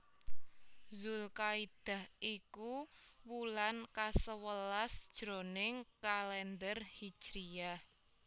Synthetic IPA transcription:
zulkaid̪̥a̤hʔikuwulankasəwəlasd̥ʒ̥ɾonɪŋkalɛnd̪ərhi̥t͡ʃɾia

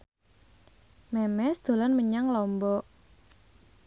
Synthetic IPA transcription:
mɛmɛsd̪̥o̤lɔnməɲaŋlɔmbɔ

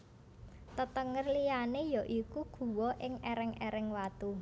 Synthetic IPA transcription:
t̪ət̪əŋərlijanejɔʔikuɡ̥ṳwɔʔɪŋɛɾɪŋɛɾɪŋwat̪u

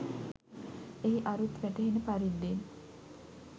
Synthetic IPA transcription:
eɦiʔaɾut̪ʋæʈeɦenəpaɾid̪ːin

